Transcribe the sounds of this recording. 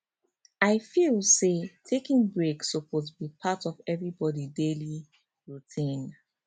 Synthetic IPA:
aɪfilˠsetʰekĩŋbɹeksopozbipʰatɔvɛvɹibɔdideli | ɹutʰĩn

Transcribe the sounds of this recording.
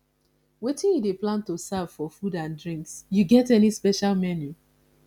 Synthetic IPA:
wetĩnideplãntosav̥fɔfudãndɹĩŋksjuɡɛtɛnispɛʃalmɛnju

